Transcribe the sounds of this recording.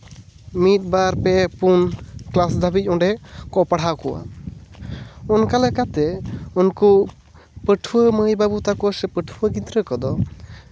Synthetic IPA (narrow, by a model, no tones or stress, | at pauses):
mit̪̚baɾpɛpunklasd̪ʱabic̚ˀɔ̃ɖɛkɔpaɽ̤akɔwa̰ | ɔnkalɛkat̪ɛunku | pəʈʰuwəməjbabut̪akɔsɛpəʈʰuwəɡĩt̪ɾəkɔd̪ɔ